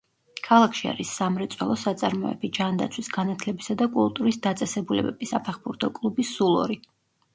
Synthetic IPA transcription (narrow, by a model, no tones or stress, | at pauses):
kʰalˠakʰʃia̰ɾisːamɾɛt̪sʼwɛlˠɔsat̪sʼaɾmɔɛ̰bid͡ʒand̪a̰t̪sʰwisɡanat̪ʰlɛbisad̪akʼulˠt̪ʼuɾisd̪at̪sʼɛsɛbulɛ̰bɛb̥isapʰɛχbuɾt̪ʰɔkʼlˠubisːulˠɔ̰ɾi